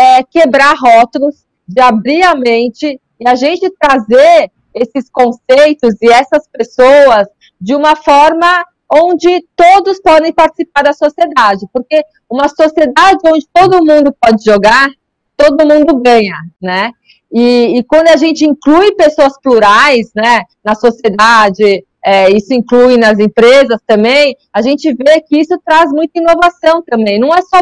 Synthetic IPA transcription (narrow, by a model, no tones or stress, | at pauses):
ɛkebɾaɾɦɔt̪ʊlʊs | d͡ʒɪabɾiɾɐmẽnt͡ʃɪ | ɪaʒẽnt͡ʃɪt̪ɾazeɾ | esɪskõsejt̪ʊzɪɛsɐspesowɐs | d͡ʒɪũmɐfɔɾmɐ | õnd͡ʒɪt̪od̪ʊspɔd̪ẽj̃paɾt͡ʃɪ̥sipaɾd̪ɐsosied̪ad͡ʒɪpoɾke | ũmɐsosied̪ad͡ʒɪõnd͡ʒɪt̪od̪ʊmũnd̪ʊpɔd͡ʒɪʒoɡaɾ | t̪od̪ʊmũnd̪ʊɡɐ̃ɲɐnɛ | ɪːkwɐ̃nd̪ʊaʒẽnt͡ʃɪĩklujɪpesoɐspluɾajsnɛnɐsosied̪ad͡ʒɪ | ɛisʊĩŋklujnɐzẽpɾezɐst̪ɐ̃mbẽj̃ | aʒẽnt͡ʃɪvekɪisʊt̪ɾazmũj̃t̪ɐĩnovasɐ̃w̃t̪ɐ̃mbẽj̃nɐ̃w̃ɛsɔ